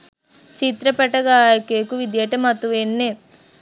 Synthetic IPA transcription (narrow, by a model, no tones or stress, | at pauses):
t͡ʃit̪ɾɐpɛʈɐɡaːjɐkeːkuʋid̪jeʈɐmɐt̪uʋenːet